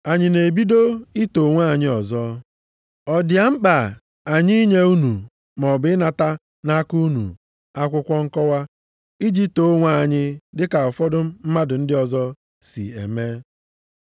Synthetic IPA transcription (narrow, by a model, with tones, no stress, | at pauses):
a˨ɲɪ˨ne˨bi˦do˦i˦to˨ŋʷa˦˨ɲɪ˦ɔ˨zɔ˦ | ɔ˨dja˨ŋ͡m̩˦k͡pa˨ | a˨ɲi˦ɲe˦u˦nu˨ | mɔ˨bɪ˦na˨ta˦ | na˦ku˦nṵ˨ | a˦kʷʊ˦kʷɔ˦ŋ̩˦kɔ˦wa˦ | i˦d͡ʒi˦to˦ŋʷa˦˨a˨ɲɪ˦dɪ˦ka˨ɔ˨fɔ˦dʊ˦m̩˦ma˦dʊ˨n̩˦dɪ˦ɔ˦˨zɔ˦ | sḭ˨ḛ˨me˦